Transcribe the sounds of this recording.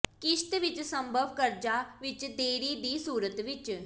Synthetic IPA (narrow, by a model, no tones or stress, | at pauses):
kiʃt̪ʋit͡ʃsə̃mbʱəʋkəɾd͡ʒaʋit͡ʃd̪eːɽiːd̪iːsuːɾət̪ʋit͡ʃ